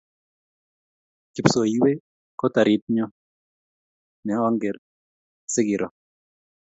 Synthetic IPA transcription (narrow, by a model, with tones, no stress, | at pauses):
kɪ˨pso˨jiwe˦ | kɔ˦ta˨ɾʔɪ˨t̚ɲɔ˦ | nɛ˨ɔ˦ŋɡɛ˨ɾ | sɪ˦ɡɪ˨ɾʔɔ˨